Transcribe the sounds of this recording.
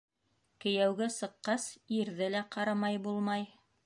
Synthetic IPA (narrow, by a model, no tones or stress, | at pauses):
kɘ̆jæwɡɘsɤ̆qːɑsiɾðɘlæqɑɾɑmɑjbulˠmɑj